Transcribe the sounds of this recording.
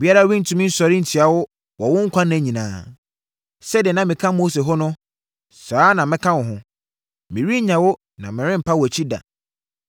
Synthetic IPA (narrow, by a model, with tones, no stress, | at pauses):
bi˦a˦ɾa˦wĩ˦n̩˨tʰũ˨mĩ˦n̩˦sɔ˨ɾɪ̃˦n̩˨tʰi˨a˨wʊ˦ | wɔ˨wʊ̃˦ŋ̩˦kʷʰã˦nã˨ɲĩ˨nã̰ː˨ | sɛ˦dɛ˨nã˦mɪ̃˨kʰã˦mo˦se˨ɦɔ˦nʊ̃˦ | saː˨˦nã˨mɪ̃˦kʰã˦wʊ̃˨ɦʊ̃˦ | mɪ̃˨ɾi˦ɲã˨wʊ˦ | nã˨mɪ̃˨ɾɪ̃˦m̩˨pʰa˦wæ˨t͡ɕʰi˦da̰˨